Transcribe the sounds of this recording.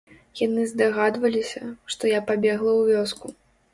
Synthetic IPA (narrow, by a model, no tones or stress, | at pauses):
janɨzd̪aɣad̪vɐlʲisʲɐʂt̪ɔjapabʲɛɣlˠɐwvʲɔsku